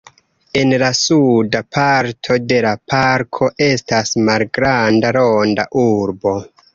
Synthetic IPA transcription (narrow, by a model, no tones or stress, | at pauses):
e̞nlasudapʰaɾtʰo̞de̞lapaɾkʰo̞ʔe̞stasmalɡɾandaɾonda̰ʔuɾbo̞